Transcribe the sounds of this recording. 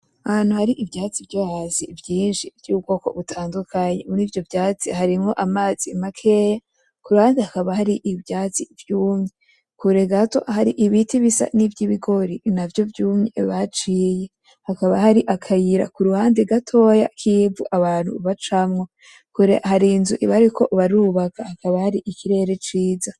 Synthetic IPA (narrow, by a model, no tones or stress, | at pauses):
ahan̥huhaɾiʔivjaːt͡sivjohazivjiːnʃivjuːɡo̞ko̞̰βutʰaːndukʰaɲemunivjo̞vjaːt͡sihaɾimŋo̞ʔamaːz̥imakʰeja | kuɾuhaːndehakaβahaɾiʔivjaːt͡sivjuːmɲe | kuɾeɡato̞haɾiʔiβitʰiβisa̰nivjiβiɡo̞ɾinavjo̞vjuːmɲe̞βat͡ʃiːje̞ | hakaβahaɾiʔakʰajiɾa̰kuɾuhaːndeɡatʰo̞ja̰kʰiːvṵʔaβaːn̥hṵβat͡ʃamŋo̞ | kuɾḛʔhaɾinzuʔiβaɾikʰo̞ʔβaɾuːβakahakaβahaɾiʔikʰiɾe̞ːɾe̞t͡ʃiːza